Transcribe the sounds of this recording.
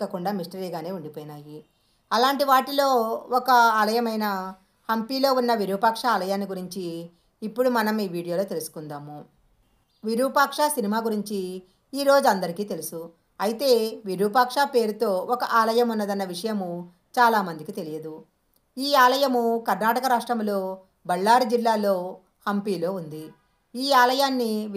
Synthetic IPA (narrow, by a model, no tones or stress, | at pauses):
ɐkuɳɖaːmisʈɐɾiːɡaːne̞ːuɳɖipoːjinaːji | ɐlaːɳʈiʋaːʈilo̞ːɔkɐaːlɐjɐmɐjnɐ | hɐmpiːlo̞ːunːɐʋiɾuʋɐpɐːkʂaaːlɐjaːniɡuɾiɲt͡ʃiː | pːuɽumɐnɐmiːʋiːɽijo̞ːlo̞ːt̪e̞lusu̥kund̪aːmu | ʋiɾupaːkʂaːsinimaːɡuɾiɲt͡ʃiː | ɾo̞ːd͡ʒuɐnd̪ɐɾikiːt̪e̞lusu | ɐjit̪e̞ːʋiɾupaːkʂaːpe̞ːɾut̪o̞ːɔkɐʔaːlɐjɐmunːɐd̪ɐnːɐʋiʂɐjɐmu | t͡ʃaːlaːmɐnd̪ikit̪e̞lijɐd̪u | iːaːlɐjɐmukɐɾnaːʈɐkɐɾaːʂʈɾɐmlo̞ː | bɐɭːaːɾid͡ʒilːaːlo̞ː | hɐmpiːlo̞ːund̪i | iːaːlɐjaːnːi